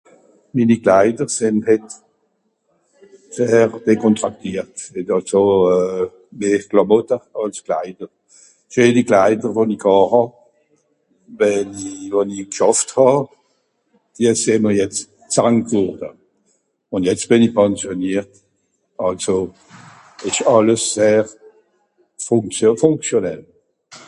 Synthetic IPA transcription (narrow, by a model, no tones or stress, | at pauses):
miːniɡlaɪdəʁsɪnhɛt | seːʁd̥ekʰɔntʁak̚tiːəʁthɛtɑlso | meːklamɔtəɑlskla̰ɪdəʁ | ʃøːniklaɪdəʁvonikɑːhɑ | vɛnivonikʃɑfthɑ | d̥iəseːməʁjɛt͡s | t͡saŋtvɔʁdə | ʊnjɛt͡st̚b̥ɪnɪçpʰɛnsjoniːʁt | ɑlso | ɪʃɑləsːeːʁ | fʊŋt͡sfʊŋkt͡sjonɛl